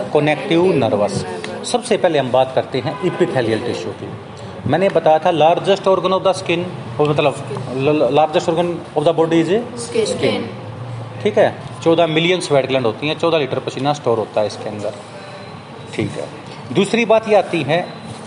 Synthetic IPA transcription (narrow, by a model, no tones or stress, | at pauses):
kənɛːk̚ʈɪunəɾʋəssəbseːpɛːleːɦəmbaːt̪kəɾt̪eɦɛ̃ːʔɪpɪt̪ʰɛːlɪjəlʈɪʃoːkḭː | mɛ̃ːnẽbət̪aːjaːt̪ʰaːlaːɾd͡ʒəsʈoːɾɡənoːb̚d̪aːskɪn | mət̪ləb | laːɾd͡ʒəsʈoːɾɡənobd̪aːbɔːɖiːd͡ʒskɪn | ʈʰiːkɦɛːt͡ʃɔːd̪aːmɪlɪjənsʋɛːʈɡlɛ̃ɳɖɦoːt̪iːɦɛ̃ːt͡ʃɔːd̪aːliːʈəɾpət͡ʃʰiːnaːsʈoːɾɦoːt̪aːɦɛːɪskeənd̪əɾ | ʈʰiːkɦɛ̰ː | d̪uːsɾiːbaːt̪jiaːt̪iːɦɛ̃ː